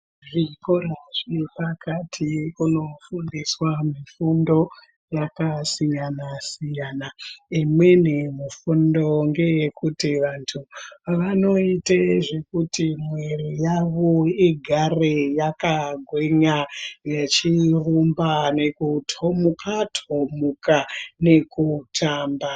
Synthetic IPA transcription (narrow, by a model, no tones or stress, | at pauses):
ʐiko̞raʐipakatʰiuno̞fundiswamifundo̞ | jakasijanasijanaimwenemufundo̞ŋɡe̞jekʰutiʋantʰuʋano̞iteʐe̞kutimwe̞rijaʋoiɡʱarejakaɡʱwe̞ɲajet͡ʃirumbane̞kutʰomukatʰomukane̞kutʰaːmba